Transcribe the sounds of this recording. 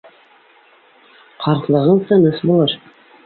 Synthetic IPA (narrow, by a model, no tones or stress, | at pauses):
qʰɑɾq̪lˠɤ̆ʁɤɴt̪ɤ̆nɤsbulˠɤɾ